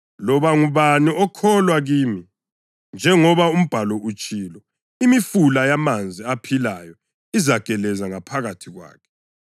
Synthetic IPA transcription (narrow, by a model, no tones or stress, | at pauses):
lɔβaŋuβaniʔɔkʰɔlwaɣiːmi | nd͡ʒʱɛŋɔβaum̩b̥ʱalɔut͡ʃʼiːlɔ | imifulajamand͡zʱiapʰilajɔ | izaɡ̥ʱɛlɛzaŋapʰaɣatʰiɣwa̰ːkʰɛ̥